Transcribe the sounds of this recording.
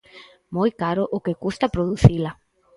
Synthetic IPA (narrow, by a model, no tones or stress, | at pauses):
mojkaɾʊʔʊkekust̪apɾoðuθila